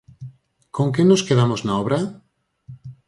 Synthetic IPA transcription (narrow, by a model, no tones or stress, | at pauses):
koŋkenoskeðamoznaoβɾa